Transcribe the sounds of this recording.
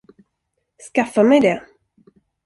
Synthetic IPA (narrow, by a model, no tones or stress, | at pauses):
skafːamɛjd̪ɛ